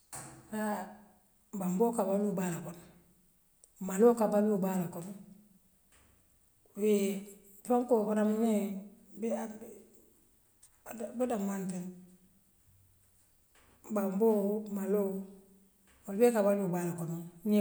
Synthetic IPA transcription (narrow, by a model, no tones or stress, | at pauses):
a | bambokabalubalakon | malokabalubalakon | we | foŋkokonamne | b | budamanten | bambomalo | walbekabalubalakonuɲe